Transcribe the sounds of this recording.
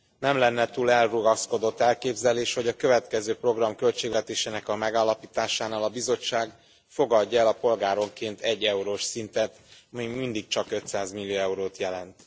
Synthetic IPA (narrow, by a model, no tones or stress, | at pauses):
nɛmlɛnːɛt̪uːlɛlruɡɒsko̞d̪o̞t̪ːɛlkeːbzɛleːʃho̞ɟɒkø̞vɛt̪kɛzøːpro̞ɡrɒmkø̞lt͡ʃeːɡvɛt̪eːʃeːnɛkɒmɛɡaːlːɒpiːt̪aːʃaːnaːlɒbizo̞t͡ʃːaːɡ | fo̞ɡɒɟːɛlɒpo̞lɡaːɾo̞ŋkeːnt̪ʰɛɟːɛuɾoːʃsint̪ɛt̪ɒmimind̪ik̚t͡ʃɒkø̞t̪saːzmilːijoɛuɾoːt̪jɛlɛnt̪